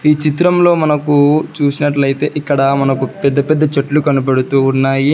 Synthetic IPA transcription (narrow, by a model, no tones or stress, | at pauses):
iːt͡ʃit̪ɾɐmlo̞ːmɐnɐkut͡ʃuːsinɐʈ̬lɐjt̪e̞ːʔikːɐɽɐmɐnɐkupɛd̪ːɐpɛd̪ːɐt͡ʃɐʈlukɐnipeɽut̪uːnːaːji